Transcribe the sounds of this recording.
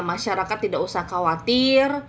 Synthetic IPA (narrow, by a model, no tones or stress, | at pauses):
maʃaɾakat̪ːidakusahkawat̪ɪr